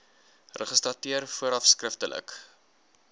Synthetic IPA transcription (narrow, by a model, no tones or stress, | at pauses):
rəχəstrɐtiərfuəɾɐfskrəftəlʔə̰k